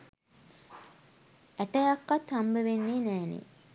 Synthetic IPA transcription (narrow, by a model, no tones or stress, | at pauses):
æʈəjakːat̪hambəʋenːeːnæːnḛ